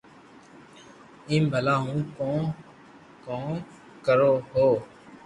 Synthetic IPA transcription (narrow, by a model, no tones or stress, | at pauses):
ĩːmbʱəlaːɦũːkõː | kõː | kəɾoːɦoː